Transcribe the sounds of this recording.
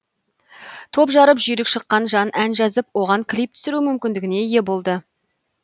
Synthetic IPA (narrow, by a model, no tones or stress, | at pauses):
t̪ʰo̞pʒɑɾəpʒʏjɾɪkʃəqːɑnʒɑnʔænʒɑzəpwo̞ʁɑŋkʲʰlijp̚t̪ʰʏ̥sɪɾumʏmkʲɪnd̪ɪɡʲɪne̞je̞bo̞lˠd̪ə